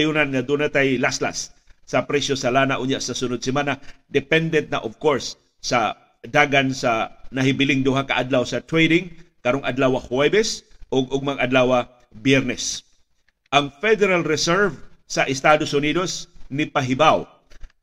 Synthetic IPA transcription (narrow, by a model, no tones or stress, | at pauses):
junanŋɐd̪unat̪ajlasla̰sːɐpɾɛsjosɐlanaʔʊɲjaʔsɐsʊnod̪̚sɪmanad̪ɛpɛnd̪ɛnt̪̚na̰ʔovkoɹsː | ɐ | d̪aɡansanɐɦɪbɪlɪŋd̪ʊɦakaʔad̪lawsɐt̪ɾɛjd̪ɪŋkɐɾoŋʔɐd̪lawahwɛbɛsʔʊɡʊɡ̚maŋʔɐd̪lawa | bjɛɾnɛs | ʔɐŋfɛd̪ɛɾalɹɛsɛɹvsɐʔɪst̪ad̪osʊnid̪osnɪpaɦɪbaw